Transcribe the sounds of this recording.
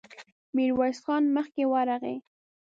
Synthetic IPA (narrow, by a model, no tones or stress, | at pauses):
miɾwaɾsxɑnməxkewaɾaɣḛ